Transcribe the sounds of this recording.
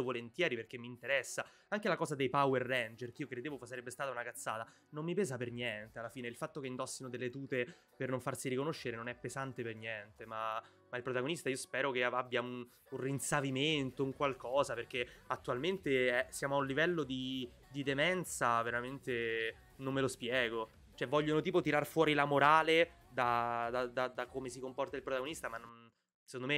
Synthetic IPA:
ovolent̪jɛːɾiperk̟emːiːnt̪eɾɛsːa | aŋkelakɔːzad̪ejpawerːɛnd͡ʒerkiːokɾed̪eːvofsaɾebːest̪aːt̪aunakat̪sːa̰ːt̪a | nomːipɛːzapernjɛnt̪ealːafiːneilfat̪ːokeind̪ɔsːinod̪elːet̪uːt̪e | pernoɱfarsiɾikonoʃːeɾenonɛpːezant̪epernjɛnt̪ema | mailpɾot̪aɡonist̪aiːospɛːɾokeaabjaun | unrinsaviment̪ouŋkwalkɔːzaperk̟eat̪ːualment̪eɛsjaːmoaunlivɛlːod̪i | d̪id̪emɛnt̪saveɾament̪e | nomːelospjɛːɡo | t͡ʃoɛvːɔʎːonot̪iːpot̪iɾarfwɔːɾilamoɾaːle | d̪ad̪ad̪ad̪akomesikompɔrt̪ailpɾot̪aɡonist̪amanːon | se̥kond̪ome

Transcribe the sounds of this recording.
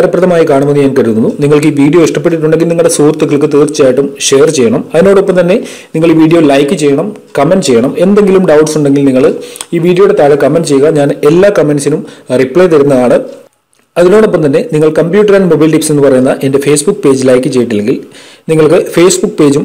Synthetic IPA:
ɾɐpːrɐðɐmaːjikaːɳumenːɨɲaːnkɐɾunːɐðuniŋːɐɭk̬ɨiːʋiːɽijo̞ːiʂʈɐp̬ːe̞ʈ̬ːiʈ̬ːuɳɖeŋɡilniŋːɐɭɽesuːrt̪ːukːɐɭkːɨt̪iːrt͡ɕːaːjiʈːumʂe̞ːɐrt͡ɕe̞jːɐɳɐmɐðino̞ːɽopːɐmt̪ɐnːe̞ | niŋːɐɭiːʋiːɽijo̞lɐjkːɨt͡ɕe̞jːɐɳɐm | kɐmenɖt͡ɕejːɐɳɐme̞nd̪e̞ŋɡilumɖɐwʈsuɳɖe̞ŋɡilniŋːɐɭiːʋiːɽijo̞juɽe̞t̪aːɻɐkɐmenɖt͡ɕejuɣɐɲaːne̞lːaːkɐme̞nɖsinumripɭejt̪ɐɾunːɐðaːɳɨ | ɐðino̞ːɽopːɐmt̪ɐnːe̞niŋːɐɭkɐmpjuːʈːɐɾaːnmobɐjlʈipsnenːɨpɐrɐjunːɐʔe̞nde̞fe̞ːsbukːpe̞ːd͡ʑɨlɐjkːɨt͡ɕe̞jiʈːɐlːeŋɡilniŋːɐɭkɨfe̞ːsbukːpe̞ːd͡ʑum

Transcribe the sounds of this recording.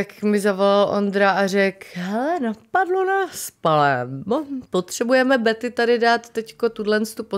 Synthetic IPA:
akmɪzavo̞lalʔo̞̰nd̪ɾaʔar̝ɛkɦɛlɛnapadlonaspalɛ | pot̪r̝̥ɛbujɛmɛbɛt̪ɪt̪adɪdaːt̪ːɛcko̞t̪udlɛnst̪upo

